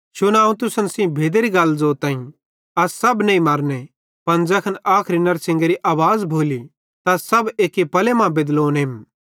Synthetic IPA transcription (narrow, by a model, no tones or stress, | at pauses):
t͡ʃʊnãːũt̪̬ʊsənsĩbʱeːd̪eɾiɡɐlzoːɾt̪ãːĩ | ɐssɐbnẽĩmɐɾne | pɐnd͡ʒɐkʰənaːkʰɾinɐɾsɪ̃ŋɡeɾiʔaːʋaːzbʱoːli | t̪asɐbeːkːipɐlemãbed̪loːnɪm